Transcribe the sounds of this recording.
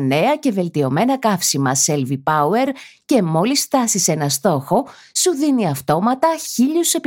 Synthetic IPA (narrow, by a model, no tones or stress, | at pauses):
ne̞ɐce̞ve̞lt̪io̞me̞nɐkɐfsimɐse̞lvipɐue̞ɾce̞mo̞lisft̪ɐsise̞nɐst̪o̞xo̞ | suðiniɐft̪o̞mɐt̪ɐçiʎuse̞p